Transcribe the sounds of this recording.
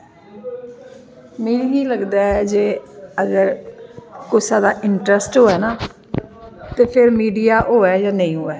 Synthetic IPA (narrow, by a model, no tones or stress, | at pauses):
meːɾiŋiːləɡd̪aːɛd͡ʒeːəɡəɾ | kʊsaːd̪aːʔɪɳʈɾəsʈɦoːɛːnãː | t̪eːpʰɪɾmiːɖijaːʔɦoːɛːjãːnə̃ĩːɦoːɛː